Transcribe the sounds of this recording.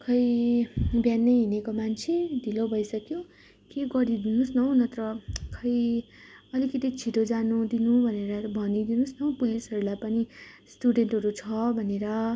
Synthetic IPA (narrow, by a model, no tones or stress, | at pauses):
kʰʌj | bjanːʌjɦinekomant͡sʰed̪ʱilobʱʌjsʌkjo | keɡʌɾid̪inusnʌw̃nʌt̪ɾʌkʰʌj | ʌlikʌt̪it͡sʰiʈ̪od͡zanud̪inubʱʌneɾʌbʱʌnid̪inusnʌw̃pulisʌɾulajpʌnisʈuɖeɳʈɦʌɾut͡sʰʌbʱʌneɾʌ